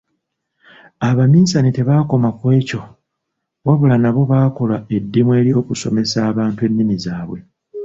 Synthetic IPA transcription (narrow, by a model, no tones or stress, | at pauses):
aβamiːsanete̞βaːko̞makwe̞ːco̞ | waβulanaβo̞βakolae̞dːimwe̞ːɾjo̞ːkuso̞me̞saːβaːntwe̞nːimizaːβwe̞